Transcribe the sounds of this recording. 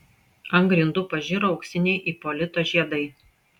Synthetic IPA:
ɐŋɡɾʲɪnd̪ʊpɐʒʲɪɾoɒʊkʲsʲɪnʲɛɪʔiːpɔlʲɪt̪oːʒʲiɛd̪ɐɪ

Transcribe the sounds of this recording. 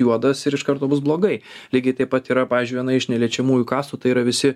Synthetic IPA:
juɔd̪ɐsɪɾɪʃkɐɾt̪oːbʊsblˠoːɡɐɪlʲiːɡʲɐɪt̪ɐɪpɐt̪iːɾɐpɑːʋʲiːzʲd͡ʒʲʊɪʋʲjɛnɐɪɪʃnʲɛlʲiɛt͡ʃʲɛmuːjʊkɑːst̪ut̪ɐɪiːɾɐʋʲɪsʲɪ

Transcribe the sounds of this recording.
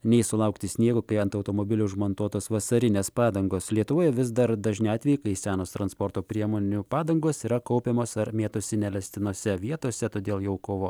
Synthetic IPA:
nʲɛɪsʊlˠɐʊkt̪ʲɪsʲnʲiɛɡʊkɐɪɐnt̪ɐʊt̪oːmoːbʲɪlʲʊʊʒmɐnt̪uɔt̪oːsʋɐsɐɾʲɪnʲeːspɑːd̪ɐŋɡoːslʲiɛt̪ʊʋoːjɛʋʲɪzd̪ɐɾd̪ɐʒʲnʲɪɑːt̪ʲʋʲɛjɪkɐɪsʲæːnoːst̪ɾɐnspɔɾt̪oːpʲɾʲiɛmoːnʲupɑːd̪ɐŋɡoːsiːɾɐkɐʊpʲeːmoːsɐɾmʲeːt̪oːsʲɪnʲɛlʲɛsʲt̪ʲɪnoɔsʲɛʋʲiɛt̪oɔsʲɛt̪oːd̪ʲeːlˠjɛʊkoːʋoː

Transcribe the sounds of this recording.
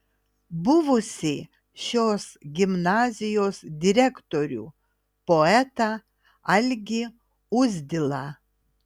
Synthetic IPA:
bʊʋʊsʲɪ | ʃʲoːsɡʲɪmnɑːzʲɪjoːsd̪ʲɪɾʲɛkt̪oɾʲṵː | poɛt̪ɐ | ɐlʲɡʲɪ | ʊzʲd̪ʲɪlˠɑ

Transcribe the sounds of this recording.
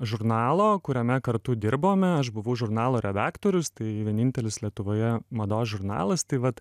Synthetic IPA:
ʒʊɾnɑːlˠoːkʊɾʲɛmʲɛkɐɾt̪ʊd̪ʲɪɾboːmʲɛɐʃbʊʋɐʊʒʊɾnɑːlˠoːɾʲɛd̪ɑːkt̪oːɾʲʊst̪ɐɪʋʲiɛnʲɪnʲt̪ʲɛlʲɪslʲiɛt̪ʊʋoːjɛmɐd̪oːsʒʊɾnɑ̰ːlˠɐst̪ɐɪʋɐt̪

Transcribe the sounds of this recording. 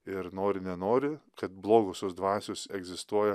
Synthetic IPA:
ɪɾnoːɾʲɪnʲɛnoːɾʲɪkɐt̪̚blˠoːɡosʲosd̪ʋɑːsʲosɛɡzʲɪst̪uɔjɛ

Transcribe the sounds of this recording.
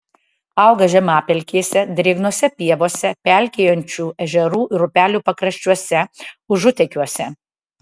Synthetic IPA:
ɑˑʊɡɐʒʲɛmɑːpʲɛlʲkʲiːsʲɛd̪ʲɾʲɪɡnuɔsʲɛpʲiɛʋoːsʲɛpʲælʲkʲejonʲt͡ʃʲuːɛʒʲɛɾuːʔɾʊpʲæːlʲuːpɐkɾɐʃʲt͡ʃʲuɔsʲɛʊʒʊt̪ʲɛkʲuɔsʲɛ

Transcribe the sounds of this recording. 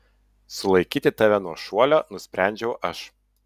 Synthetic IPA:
sʊlˠɐɪkʲiːt̪ʲɪt̪ɑʋʲɛnuɔʃuɔlʲoːnʊsʲpʲɾʲæˑnʲd͡ʒʲɛʊʔɐʃ

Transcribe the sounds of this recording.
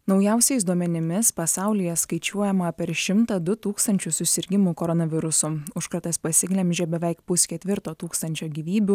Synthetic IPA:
nɒʊjɛˑʊsʲɛɪs̬d̪uɔmʲɛnʲɪmʲɪspɐsɑˑʊlʲɪjɛskɐɪt͡ʃʲuɔjɛmɐpʲɛɾʃʲɪmt̪ɐd̪ʊt̪uːkst̪ɐnʲt͡ʃʲʊsʊsʲɪɾʲɡʲɪmukoɾɔnɐʋʲɪɾʊsʊʊʃkɐɾt̪ɐspɐsʲɪɡlʲɛmʲʒʲɛːbʲɛʋʲɛˑɪkpʊsʲkʲɛt̪ʲʋʲɪɾt̪oːt̪uːkst̪ɐnʲt͡ʃʲoːɡʲiʋʲiːbʲu

